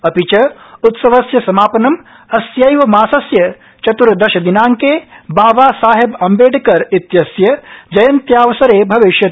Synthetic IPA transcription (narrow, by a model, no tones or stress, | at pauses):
ɐpit͡ʃɐut̪sɐʋɐsjɐsɐmaːpɐnɐm | ɐsjɐjʋɐmaːsɐsjɐ | t͡ʃɐt̪uɾd̪ɐʃɐd̪inaːŋkeːbaːʋaːsaːɦebɐmbeːɖkɐɾit̪jɐsjɐd͡ʒɐjɐnt̪jaːʋɐsɐɾeːbʱɐʋiʃjɐ